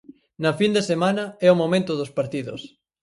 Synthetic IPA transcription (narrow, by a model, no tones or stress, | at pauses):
nɐfind̪esemanɐɛʊmomẽnt̪ʊðospaɾt̪iðʊ̰s